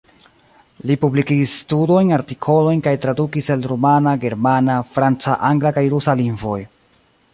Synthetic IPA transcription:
lipublikiɡisːtudo̞jnaɾtikʰo̞lo̞jnkajtɾadukisalɾumanaɡe̞ɾmanafɾant͡saʔaŋɡlakajɾusalinvo̞̰j

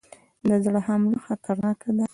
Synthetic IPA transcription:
d̪əzɽəɦamluxat̪ʰaɾnɑkad̪a

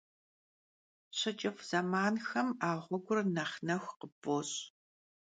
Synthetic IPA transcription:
ɕɐt͡ʃʼɪfz̥ɐmaːnxɐmaːʁʷɔɡʷʊrnɐχnɐxʷqəboːɕ

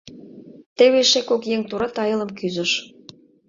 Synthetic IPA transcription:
t̪eβeʃekokjeŋt̪uɾɑt̪ɑjə̆lə̆mkyzə̆ʃ

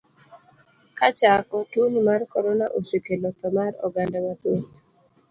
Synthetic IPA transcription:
kat͡ʃakɔtunmarkɔɾɔnaʔosekelɔt̪ɔmaɾɔ̰ɡandamat̪ot̪

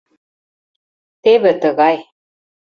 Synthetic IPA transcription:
t̪eβɘ̆t̪ɤɣɑj

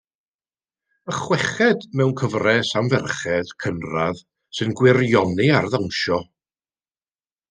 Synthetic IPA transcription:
əχwɛχɛdmɛwnkʰəvrɛsamvɛrχɛd̥kʰənrað | sɨnɡwɪrjɔniarðawnʃɔ

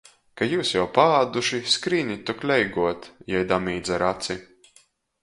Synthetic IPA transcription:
kajuːsjawpaaːd̪uʃiskɾiːnʲit̪uklʲɛjɡuɔt̪jɛjd̪amiːd̪zaɾat̪si

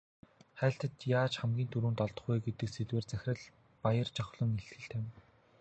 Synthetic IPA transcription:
χæːɬt̪ə̆t̪jaːt͡ɕχamɡʲiːnt̪ʰuɾuːnt̪ɔɮt̪ɞ̆χɡujɡet̪ɘ̆ksetweːrt͡sæxʲɪ̆ə̆ɮ | pajə̆rt͡ɕʰɔχɮɞ̆ŋeɬt̪xɘ̆ɬt̪ʰæːn

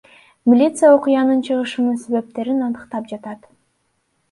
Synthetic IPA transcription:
mʲilʲit̪sɨjao̞qʊjɑnɯnt͡ʃʰɯʁɯʃɯnɯse̞βe̞p̚t̪e̞ɾinɑnɯqt̪ɑp̚d͡ʒɑt̪ɑt̪

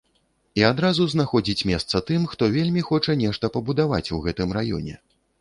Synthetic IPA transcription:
iad̪ɾazuznaxɔd͡zʲit͡sʲmʲɛst̪sɐt̪ɨmxt̪ɔvʲelʲmʲixɔt͡ʂɐnʲɛʂt̪ɐpɐbud̪ava̰t͡sʲuɣɛt̪ɨmɾajɔ̰nʲɛ̰

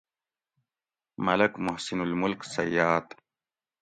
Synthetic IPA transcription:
mɐlɐkmʊhsinulmʊlksɐ̰jːaːt̪

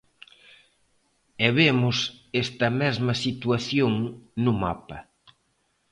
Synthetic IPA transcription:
ɛβemʊsest̪ɐmɛzmɐsit̪uaθjoŋnʊma̰pɐ

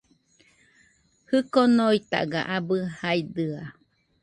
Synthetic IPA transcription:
hɨkonoit̪a̰ɡa̰ʔabɯhajd̪ɯa

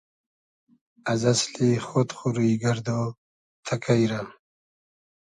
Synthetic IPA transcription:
azaslixot̪χuɾuiɡaɾd̪o | t̪ʰakʰajɾam

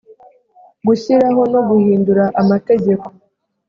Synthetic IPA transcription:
ɡuçiɾaɦo̞no̞ɡuhiːnduɾaʔamate̞ɟe̞ko̞̥

